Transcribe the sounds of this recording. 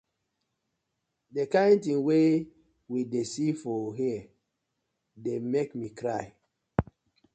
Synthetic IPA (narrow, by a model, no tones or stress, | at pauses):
dekãɪntĩŋwe | widesifɔɦiɛ | demekmikʰɾaj